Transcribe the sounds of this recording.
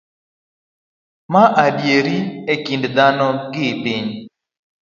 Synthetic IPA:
maʔadjeɾiekindd̪anɔɡɪpiɲ

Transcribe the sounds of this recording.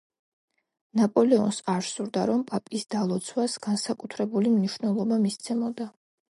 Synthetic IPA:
napʼɔlɛɔ̰nsaɾsuɾd̪aɾɔmpʼapʼisd̪alˠɔt̪sʰwasɡ̥ansakʼut̪ʰɾɛbulimniʃwvnɛlˠɔbamist̪sʰɛmɔd̪a

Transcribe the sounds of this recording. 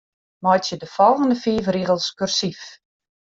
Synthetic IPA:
mɔjtsjədəfɔlˠɣəndəfiːvriɣəlˠskørsif

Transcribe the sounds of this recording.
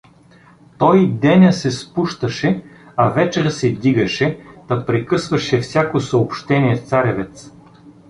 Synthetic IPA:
t̪ɔjd̪ɛnʲəsɛspuʃt̪əʃɛ | ɐvɛt͡ʃɛɾsɛd̪iɡəʃɛt̪ɐpɾɛkɤsvɐʃɛfsʲjakosɐopʃt̪ɛnʲiɛt̪saɾʲɛvɛt̪s

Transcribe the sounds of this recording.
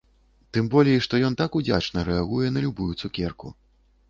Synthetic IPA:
t̪ɨmbɔlʲɛiʂt̪ɔjɔnt̪akud͡zʲat͡ʂnɐɾɛaɣujɛnɐlʲubujut̪sukʲɛrku

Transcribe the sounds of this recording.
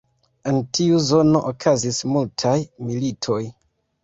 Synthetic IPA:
entʰiuzo̞no̞ʔokʰazismultʰajmilitʰo̞j

